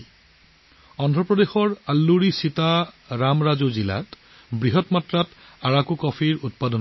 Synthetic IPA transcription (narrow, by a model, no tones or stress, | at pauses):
ɔndʱɹɔpɹɔdexɔɹalːuɹisita | ɹamɹazozila̰t | bɹiɦɔtmatɹat | aɹakukɔfʰiɹut̚padɔn